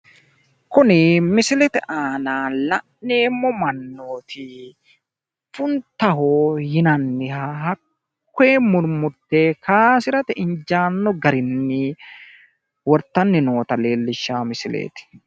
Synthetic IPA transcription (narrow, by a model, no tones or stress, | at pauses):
kʊnɪmɪsɪlɛt̪ɪʔaːnaːlɐʔnːeːmːɔmɐnːoːt̪ɪ | fʊnt̪ːɐɦojɪnɐnːɪhɐhɐkː | eːmʊɾmʊɾt̪ːeːkaːsɪɾɐt̪ɪʔɪɲd͡ʒaːnːɔɡɐɾɪnːɪ | wɔɾt̪ːɐnːɪno̞ːt̪ɐle̞ːlːɪʃːaːmɪsɪlḛːt̪ɪ̥